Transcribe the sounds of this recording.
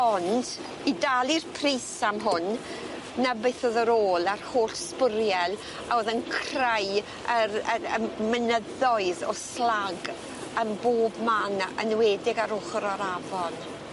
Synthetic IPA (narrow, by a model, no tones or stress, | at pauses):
ɔnd | idalˠirpʰrisamɦʊn | nabɨɨθoðəɾoːlˠarhoːɬspəɾjɛlˠ | aoːðənkʰraj | əɾəəmənəðɔɨðɔslaɡ | əmboːbmanənwɛːdɪɡaɾʊχɾɔɾavɔn